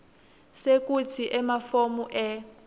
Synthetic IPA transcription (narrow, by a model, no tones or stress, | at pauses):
sek̬ʼut͡sʰiʔɛmafomuʔɛ